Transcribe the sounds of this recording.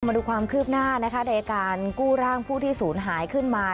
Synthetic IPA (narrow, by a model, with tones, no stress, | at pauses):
ma˧duː˧˩kʰwaː˧mkʰɯː˥˩p̚naː˥˩na˦˥kʰa˦˥na˧jʔaː˧kaː˧nkuː˥˩ɾaː˥˩ŋpʰuː˥˩t̪ʰiː˥˩suː˩˦nɦaː˩˦jkʰɯ˥˩nmaː˧